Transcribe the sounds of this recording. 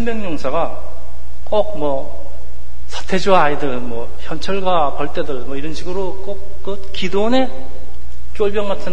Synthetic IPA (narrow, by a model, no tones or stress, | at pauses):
imjʌŋɲoŋsʰaɡa | k͈ok̚mwʌ | sʰḁtʰe̞d͡ʑuaidɯɭmwʌ | çjʌnt͡ɕʰʌɭɡa | pʌɭt͈edɯɭmwʌiɾʌnɕʰiɡɯɾok͈ok͈̚ːɯ | kidone̞ | t͡ɕ͈oɭbjʌŋɡatʰɯn